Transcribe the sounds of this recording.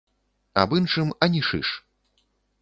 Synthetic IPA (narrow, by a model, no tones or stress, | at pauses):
a̰bɨnʂɨmɐnʲiʂɨ̰ʂ